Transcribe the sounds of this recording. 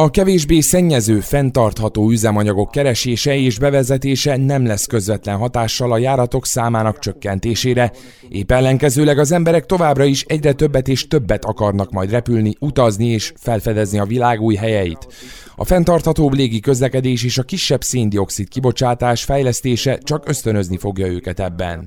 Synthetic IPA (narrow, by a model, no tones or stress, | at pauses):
ɒkɛveːʒbeːsɛɲːɛzøːfɛnt̪ɒrt̪hɒt̪oːyzɛmɒɲɒɡo̞kːɛɾɛʃeːʃɛeːʒbɛvɛzɛt̪eːʃɛnɛmlɛskø̞zvɛt̪lɛnɦɒt̪aːʃːɒlɒjaːɾɒt̪o̞ksaːmaːnɒkt͡ʃø̞kːɛnt̪eːʃeːɾɛ | ʔeːpɛlːɛŋkɛzøːlɛɡɒzɛmbɛɾɛk̚t̪o̞vaːbrɒiʃɛɟrɛt̪ø̞bːɛt̪eːʃt̪ø̞bːɛt̪ɒkɒrnɒkmɒjd̪rɛpylniut̪ɒznieːʃfɛlfɛd̪ɛzniɒvilaːɡuːjɦɛjɛjḭt̪ | ɒ̰fɛnt̪ɒrt̪hɒt̪oːbleːɡikø̞zlɛkɛd̪eːʃeːʃɒkiʃːɛbseːnd̪io̞ksit̪kibo̞t͡ʃaːt̪aːʃfɛjlɛst̪eːʃɛt͡ʃɒkø̞st̪ø̞nø̞znifo̞ɡjɒøːkɛt̪ɛbːɛ̰n